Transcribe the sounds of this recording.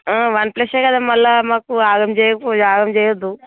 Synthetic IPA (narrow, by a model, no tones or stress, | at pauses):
ʋɐnpleseːkɐd̪aːmɐlːamaːkuaːɡɐmt͡ʃɛːjɐkud͡ʒaːɡɐmt͡ʃɛːjɐd̪ːu